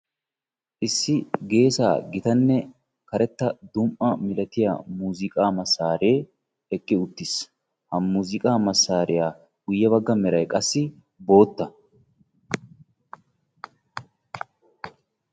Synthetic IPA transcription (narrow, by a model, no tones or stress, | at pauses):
ʔɪsːɪɡe̞ːsa̰ːɡɪt̪ɐnːɛ | kɐɾɛt̪ːɐd̪ʊmʔɐmɪlɐt̪ɪja̰ːmuːzɪkʼaːmɐsːaːɾe̞ː | ɛkʼːɪʊt̪ːɪs | hɐmuːzɪkʼaːmɐsːaːɾɪjaː | ɡʊjːɐβɐɡːɐmɛɾɐjkʼɐsːɪ | bo̞ːt̪ːɐ